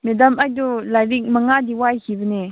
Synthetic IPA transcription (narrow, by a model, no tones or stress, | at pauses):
medamajdulajɾik̚maŋadiwajhibəne